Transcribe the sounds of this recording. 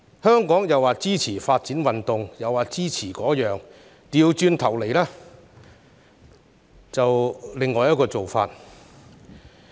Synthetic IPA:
hœː˥ŋkɔː˨˥ŋjɐ˨waː˨t͡siː˥t͡sʰiː˨˩faː˧t̚t͡siː˨˥nwɐ˨nt̪ʊ˨ŋjɐ˨˩waː˨˩t͡siː˥t͡sʰiː˨˩kɔː˨˥jœː˨ŋ | t̪iː˨wt͡ʃyː˧nt̪ʰɐ˨˩wle˨˩jlaː˥ | t͡sɐ˨wlɪ˨ŋːɔː˨jɐ˥t̚kɔː˧t͡so˨wfa̰ː˧t̚

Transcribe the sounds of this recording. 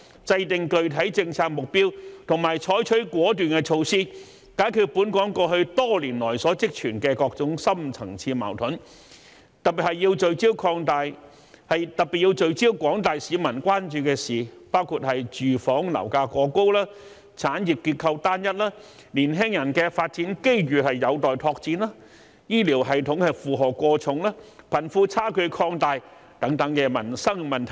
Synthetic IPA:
t͡sɐ˧jt̪ɪ˨ŋkɵ˨ɥt̪ʰɐ˨˥jt͡sɪ˧ŋt͡sʰaː˧k̚mʊ˨k̚pi˥wt̪ʰʊ˨˩ŋmaː˨˩jt͡ʃʰɔː˨˥jt͡ʃʰɵ˨˥kʷɔː˨˥t̪yː˨nkɛ˧t͡ʃʰo˧wsiː˥ | kaː˨˥jkʰy˨˧t̚puː˨˥nkɔː˨˥ŋkɔː˧hɵ˧t̪ɔː˥liː˨˩nlɔː˨˩jsɔː˨˥t͡sɪ˥k̚t͡ʃʰyː˨˩nkɛː˧kɔː˧k̚t͡sʊ˨˥ŋsɐ˥mt͡sʰɐ̰˨˩ŋt͡sʰiː˧ma̰ː˨˩wt̪ʰʊ˨˥n | t̪ɐ˨t̚pːi˨˩t̚hɐ˨jːi˧wt͡ʃɵ˨ɥt͡siː˥wkʰɔː˧ŋt̪aː˨j | hɐ˨jt̪ɐ˨˩k̚pi˨˩t̚jiː˧wt͡sɵ˨ɥt͡siː˥wkʷɔː˨˥ŋt̪aː˨jsiː˨˧mɐ˨˩nkʷaː˥nt͡ʃyː˨˧kɛː˧siː˨paː˥wkʰuː˧t̚hɐ˨jt͡ʃyː˨fɔː˨˥ŋlɐ̰˨˩wkaː˧kɔː˧ko˥wlaː˥ | t͡sʰaː˨˥nji˨p̚kːiː˧t̚kʰɐ˧wt̪aː˥njɐ˥t̚laː˥ | liː˨˩nɦɛː˥ŋjɐ˨˩nkɛ˧faː˧t̚t͡siː˨˥nke˥jɥyː˨˩hɐ˨jːɐ˨˧wt̪ɔː˨jt̪ʰɔː˧k̚t͡siː˧nlaː˥ | jiː˥liː˨˩wɦɐ˨˩jt̪ʰʊ˨˥ŋhɐ˨jfuː˨˧ɦɔː˨˩kʷɔː˧t͡sʰʊ˨ŋlaː˥pʰɐ˨˩nfuː˧t͡sʰaː˥˩kʰɵ˨˧kʰɔː˧ŋt̪aː˨j | t̪ɐ˨˥ŋt̪ɐ˨˥ŋkɛː˧mɐ˨˩nsɐ˥ŋmɐ˨nt̪ʰ

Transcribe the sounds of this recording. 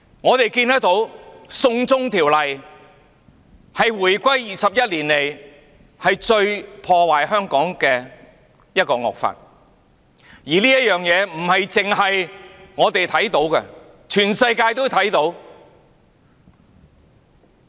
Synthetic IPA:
ŋɔː˨˧t̪e˨jkiː˧nt̪ɐ˥k̚t̪o˨˥wsʊ˧ŋt͡sʊ˥ŋt̪ʰiː˨˩wlɐ˨j | hɐ˨jwuː˨˩jkʷɐ˥jjiː˨sɐ˨p̚jɐ˥t̚liː˨˩nle˨˩j | hɐ˨jt͡ʃɵ˧ɥpʰɔː˧waː˨jhœː˥ŋkɔː˨˥ŋkɛː˧ | jɐ˥t̚kɔː˧ŋɔ̰ː˨k̚fa̰ː˧t̚ | jiː˨˩liː˥jɐ˥t̚jœː˨˩ŋjɛː˨˧m̩˨˩hɐ˨jt͡sɪ˨ŋɦɐ˨jŋɔː˨˧t̪e˨jt̪ʰɐ˨˥jt̪o˨˥wkɛ̰˧ | t͡ʃʰyː˨˩nsɐ˧jkaː˧jt̪o˥wt̪ʰɐ˨˥jt̪o˨˥w

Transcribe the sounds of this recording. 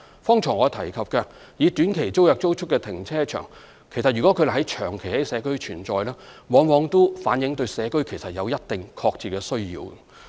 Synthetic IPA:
fɔː˥ŋt͡ʃʰɔː˨˩ŋɔː˨˧t̪ʰɐ˨˩jkʰɐ˨p̚kɐː˧ | jiː˨˧t̪yː˨˥nkʰe˨˩jt͡so˥wjɐ˨k̚t͡so˥wt͡ʃʰʊ˥kːɛː˧t̪ʰɪ˨˩ŋt͡sʰɛː˥t͡ʃʰœ̰ː˨˩ŋ | kʰe˨˩jsɐ˨t̚jyː˨kɔ˨˥kʰɵ˧d̪hɦɐ˨˥jt͡ʃʰœː˨˩ŋkʰe˨˩jhɐ˨˥jsɛː˨˧kɵ˥ɥt͡ʃʰyː˨˩nt͡sɔː˨˧jlɛː˥wɔː˨˧ŋwɔː˨˧ŋt̪o˥faː˨˥njɪ˨˥ŋt̪ɵ˧ɥsɛː˨˧kɵ˥ɥkʰe˨˩jsɐ˨t̚jɐ˨˧wjɐ˥t̚t̪ɪ˨ŋkʰɔː˧k̚t͡siː˨˩kɛː˧sɵ˥ɥjḭː˧w

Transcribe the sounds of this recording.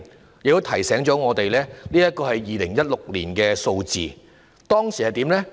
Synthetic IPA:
jɪ˨k̚t̪o˥t̪ʰɐ˨˩jsɛː˨˥ŋt͡ʃɔː˨˥ŋɔː˨˧t̪e˨jlɛː˥liː˥jɐ˥t̚kɔː˧hɐ˨jːiː˨˧lɪ˨˩ŋjɐ˥t̚lʊ˨k̚liː˨˩nkɛː˧so˧wt͡sḭː˨ | t̪ɔː˥ŋsiː˨˩hɐ˨jt̪iː˨˥mlɛː˥

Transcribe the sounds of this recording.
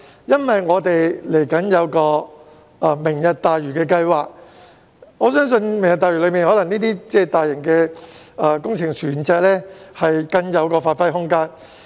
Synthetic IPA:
jɐ˥nwɐ˨jŋɔː˨˧t̪e˨jle˨˩jkɐ˨˥njɐ˨˧wkɔː˧ | ʔɐ˧mɪ˨˩ŋjɐ˨t̚t̪aː˨jɥyː˨˩kɛː˧kɐ˧jwaː˨k̚ | ŋɔː˨˧sœː˥ŋs̬ɵ˧nmɪ˨˩ŋjɐ˨t̪̚aː˨jɥy˨˩lɵ˨˧ɥmiː˨nhɔ˨˥lɐ˨˩ŋniː˥t̪iː˥t͡sɛː˥˩t̪aː˨jɪ˨˩ŋkɛː˧ | ʔɐː˨˧kʊ˥ŋt͡sʰɪ˨˩ŋt͡ʃʰyː˨˩nt͡sɛː˨˧k̚lɛː˥hɐ˨jkɐ˧ŋjɐ˨˧wkɔː˧faː˧t̚fɐ˥jɦʊ˥ŋkaː˥n

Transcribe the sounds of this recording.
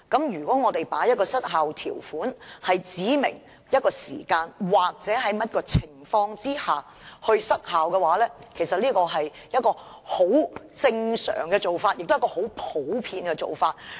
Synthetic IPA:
kɐ˨˥mjyː˨˩kɔː˨˥ŋɔː˨˧t̪e˨jpaː˨˥jɐ˥t̚kɔː˧sɐ˥t̚ɦaː˨wt̪ʰḭː˨˩wfuː˨˥nhɐ˨jt͡siː˨˥mɪ̰˨˩ŋ | jɐ˥t̚kɔː˧sḭː˨˩kaː˧nwaː˨k̚t͡sɛː˨˥ɦɐ˨˥jmɐ˥t̚kɔː˧t͡sʰɪ˨˩ŋfɔː˧ŋt͡siː˥haː˨ | hɵ˧ɥsɐ˥t̚haː˨wkɛː˧waː˨˥lɛː˥kʰe˨˩jsɐ˨t̚liː˥kɔː˧ɦɐ˨j | jɐ˥t̚kɔː˧ | ho˨˥w | t͡sɪ˧ŋsœ̰ː˨˩ŋkɛː˧t͡so˨wfaː˧t̚jɪ˨k̚t̪ːkɔ˧ho˨˥wpʰo˨˥wpʰiː˧nkɛ˧t͡so̰˨˩wfaː˧t̚

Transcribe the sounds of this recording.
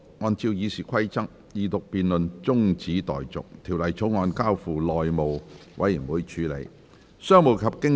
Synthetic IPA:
ŋɔː˧nt͡siː˧wjiː˨˧siː˨˩kʰwɐ˥jt͡sɐ˥k̚ | jiː˨t̪ʊ˨k̚piː˨nlɵ˨nt͡sʊ˥ŋt͡siː˨˥t̪ɔ̰ː˨˩jt͡sʊ˨k̚t̪ʰiː˨˩wlɐ˨˩jt͡sʰo˨˥wŋɔː˨˧nkaː˥wfuː˨˩lɔː˨jmo˨wwʔɐ̰˨˥ji˨˩nwuː˨˥jt͡ʃʰyː˨˧lḛ˨˧j | sœː˥ŋmo˨wkʰɐ˨p̚kɪ˥ŋ

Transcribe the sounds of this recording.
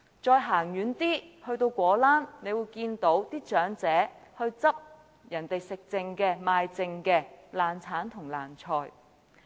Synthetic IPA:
t͡sɔː˧jɦaː˨˩ŋjyː˨˥nt̪iː˥hɵ˧ɥt̪o˧wkʷɔː˨˥laː˥nne˨˧jwuː˨˧jkiː˧nt̪o˨˥wt̪iː˥t͡ʃœː˨˥ŋt͡sɛː˨˥hɵ˧ɥt͡sɐ˥p̚ | jɐ˨˩nt̪e˨jsɪ˨k̚t͡sɪ˧ŋkɛː˧maː˧jt͡sɪ˧ŋkɛː˧laː˨nt͡sʰaː˨˥nt̪ʰʊ˨˩ŋla̰ː˨˩nt͡sʰɔː˨˩j

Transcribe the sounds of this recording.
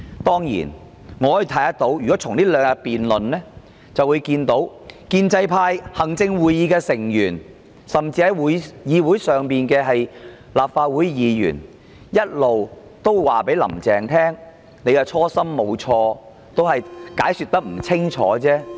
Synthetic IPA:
t̪ɔː˥ŋjḭː˨˩n | ŋɔː˨˧ɔ˧˥jiː˧t̪ʰɐ˨˥jɐ˥t̪o˨˧˥wjy˨kɔ˨˦˥t͡sʰʊ˨˩ŋniː˥lœː˨˧ŋka˧piː˨nlɵ˨nːɛː˥ | t͡sɐ˨wuː˨˧jkiː˧nt̪o˨˥w | kiː˧nt͡sɐ˧jpʰaː˧jhɐ˨˩ŋt͡sɪ˧ŋwuː˨jːiː˨˧kɛː˧sɪ˨˩ŋjyː˨˩n | sɐ˨mt͡siː˧ɐ˨˧jwuː˨˥jjiː˨˧wu˨˥jsœː˨ŋpiː˨nkɛː˧ɦɐ˨j | laː˨p̚faː˧t̚wuː˨˥jjiː˨˧jy̰ː˨˩n | jɐ˥t̚lo˨w | t̪o˥wwaː˨pe˨˥jlɐ̰˨˩mt͡sɛː˨ŋt̪ʰɛː˥ŋ | ne˨˧jkɛ˧t͡ʃʰɔː˥sɐ˥mːo˨˧wt͡ʃʰɔː˧ | t̪o˥whɐ˨jkaː˨˥jsy˨˧t̪̚ɐ˥k̚m̩˨˩t͡sʰɪ˥ŋt͡ʃʰɔ̰ː˨˥t͡sɛː˥

